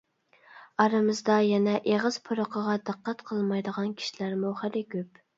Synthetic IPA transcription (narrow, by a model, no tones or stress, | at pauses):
ɑɾɨmɨzd̪ɑjɛnɛʔeʁəz̥pʰoɾoqʰəʁɑd̪ɨqːæt̪qʰəlˠmɑjd̪əʁɑnkʲʰi̥ʃilæɾmuχæɾɪkʲʰøp